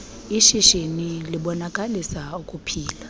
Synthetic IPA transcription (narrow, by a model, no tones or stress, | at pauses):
iʃiʃeniliɓɔnakʼalisaukʼupʰiːla